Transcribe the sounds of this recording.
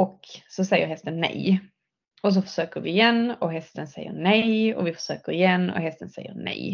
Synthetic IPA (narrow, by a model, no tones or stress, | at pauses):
ɔksɔsɛjːə̰ɾɦɛst̪ənːɛ̰j | ɔs̬ɔfœ̥ʂøːkəɾvɪɪjɛnːɔɦɛst̪ənsɛjːə̰ɳɛjɔ̰vɪfœ̥ʂøːkəɾɪjɛnːɔ̰ɦɛst̪ənsɛ̰jːə̰ɾnɛ̰j